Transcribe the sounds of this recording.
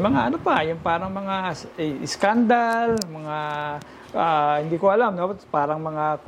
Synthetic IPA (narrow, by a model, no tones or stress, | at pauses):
mɐŋaʔɐnopɐjʊŋpaːɾɐŋmɐŋaɪskand̪almɐŋa | ʔahɪnd̪iːkoʔɐlamnopaːɾɐŋmɐŋa